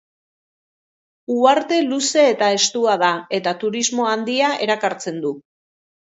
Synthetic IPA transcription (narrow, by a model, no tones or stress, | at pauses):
uaɾt̪e̞luse̞ːt̪ae̞st̪uaðae̞t̪at̪uɾizmo̞and̪iaʔe̞ɾakaɾt͡se̞nd̪u